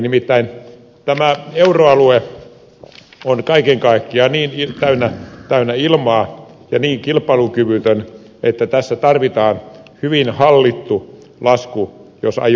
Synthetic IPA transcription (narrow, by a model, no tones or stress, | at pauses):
nimit̪ːæin | t̪æmæeuroɑlue | onkɑikeŋkɑikːiɑniːnit̪æynːæt̪æynːæilmɑː | jɑniːŋkilpːˑɑilukyʋyt̪øn | ʔet̪ːæt̪æsːæt̪ɑrʋit̪ɑːnhyʋinhɑlːit̪ːu | lɑskujosɑ̰j